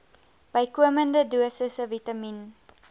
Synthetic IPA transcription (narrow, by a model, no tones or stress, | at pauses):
b̥əjkuəməndəduəsəsəvitɐmin